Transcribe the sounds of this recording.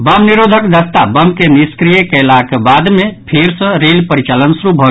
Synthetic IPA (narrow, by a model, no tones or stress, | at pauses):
bəmniɾod̪ʱəkd̪əst̪abəmkeniskɾijekəlakbad̪mẽpʰeɾsə̃ɾelpəɾit͡ʃalənsɾubʱɔ